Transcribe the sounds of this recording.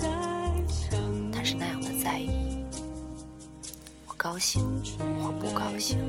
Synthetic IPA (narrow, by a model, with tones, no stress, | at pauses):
t̪ʰa˥ʂɻ̩˥˧na˥˩ja˨˩ŋwɔ˨˩t͡sa˥˩ɪi˨˥˩ | wɔ˨˩kɑ˥ʊɕi˥˩ŋwxwe˥˩ɪpu˥˩kɑ˥ʊɕi˥˩ŋ